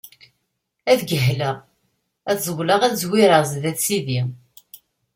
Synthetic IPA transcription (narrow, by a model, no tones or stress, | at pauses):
æðɡəɦləʁ | æθzˤəwlɑʁæðzwiɾəzðæθsiði